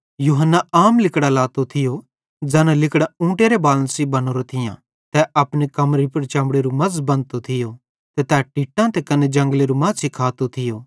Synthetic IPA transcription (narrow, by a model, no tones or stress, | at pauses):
juːɦənːaaːmlɪkɽalaːt̪ot̪ʰɪjo | d͡ʒɛːnãlɪkɽɛũːʈeɾebaːlə̃nsibɐnoːɾot̪ʰɪjã | t̪ɛʔɐpɽikɐmɾipɐɾt͡ʃɐ̃mɽeɾumɐzbɐ̃nt̪ot̪ʰɪjo | t̪ɛt̪ɛːʈiːʈːãt̪ɛkɐned͡ʒɐ̃ŋɡleɾumɐ̃zsɪkʰaːt̪ot̪ʰɪjoː